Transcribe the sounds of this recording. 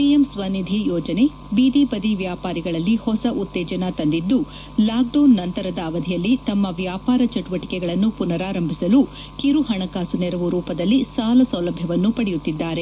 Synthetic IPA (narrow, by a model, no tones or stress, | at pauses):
piemsʋɐnid̪ʱijɔːd͡ʒɐne̞ | biːd̪ipɐd̪iʋjaːpaːɾiɡɐɭɐlːihɔsɐʔut̪ːɛːd͡ʒɐnɐt̪ɐnd̪id̪ːu | laːɡ̚ɖoːnːɐnt̪ɐɾɐd̪ɐːʋɐd̪ʱijɐlːit̪ɐmːɐʋjaːpaːɾɐt͡ʃɐʈuʋɐʈi̥kɛɡɐɭɐnːupunɐɾaːɾɐmbʱisɐlu | kiɾuɦɐɳɐkaːsunɛɾɐʋuɾuːpɐd̪ɐlːisaːlɐsɐwlɐbʱjɐʋɐnːupɐɽɛjut̪ːid̪ːaːɾe̞